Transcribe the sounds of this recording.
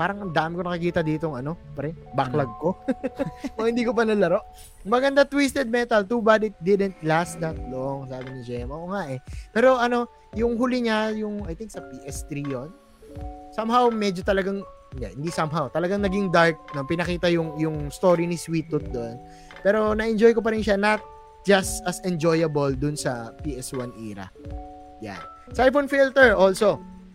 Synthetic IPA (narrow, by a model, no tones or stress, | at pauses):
paːɾɐŋɐmd̪aːmɪko̞nɐkɐkiːt̪ɐd̪iːt̪oŋɐno̞pɐɾɛbɐklɐɡ̚ko̞ | mɐŋhɪnd̪iːkopɐnɐlɐɾo̞ʔ | mɐɡɐnd̪at̪wist̪ɛd̪̚mɛt̪ɐlt̪uːbad̪ɪt̪̚d̪ɪd̪ɛnt̪las̚d̪ɐt̪̚loŋsaːbɪnɪd͡ʒɛːmɐoŋaʔɛpɛːɾo̞ʔɐno̞ | jʊŋɦʊlɪɲajʊŋɐjt̪ɪŋksɐpiʔɛst̪ɾijon | sɐmhawmɛd͡ʒot̪ɐlɐɡaŋ | ɪnd̪ɛ̰hɪnd̪isɐmɦawt̪ɐlɐɡaŋnɐɡiŋd̪aɹk̚nopɪnɐkiːt̪ɐjʊŋjʊŋst̪o̞ːɾiniswiːt̪ʊt̪̚d̪on | pɛːɾo̞nɐʔɛnd͡ʒo̞jko̞pɐɾɪnʃanɐt̪̚ | d͡ʒɐst̪ɐsɛnd͡ʒojɐbɐld̪ʊnsɐpiːʔɛswanʔḭːɾɐ̰ | ja̰n | sajfonfilt̪ɛɹʔolso̞